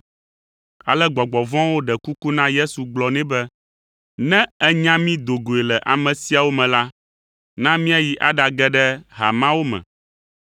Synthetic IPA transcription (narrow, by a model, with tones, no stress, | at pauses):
a̰˨lɛ˦ɡ͡bɔ˨ɡ͡bɔ˨vɔ̃˦wo˦ɖɛ˨ku˦ku˦nã˦je˦su˨ɡ͡blɔ˨nɛ̃˦bɛ˦ | nɛ̃˦ɛ˦ɲã˦mĩ˦d̪o˨ɡo˨e˨lɛ˨ʔa˨mɛ̃˨si˦a˨wo˦mɛ̃˨la˦ | nã˦mĩ˦a˨ji˨ʔa˦ɖa˨ɡɛ˦ɖɛ˦ɦa̰˨mã˦wo˦mɛ̰̃˨